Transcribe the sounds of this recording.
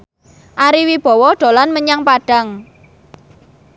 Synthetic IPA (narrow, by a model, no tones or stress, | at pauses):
ʔaɾiwib̥ɔ̤wɔɖ̪̥o̤lanməɲaŋpaɖ̥a̤ŋ